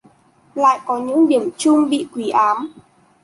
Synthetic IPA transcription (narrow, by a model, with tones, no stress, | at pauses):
la̰ː˧˨jkɔ˨˦ɲɨ̰˧˥ŋɗi˧˩əmt͡ɕʊ˧ŋ͡mɓḭ˧˨kwi˨˦ʔaː˨˦m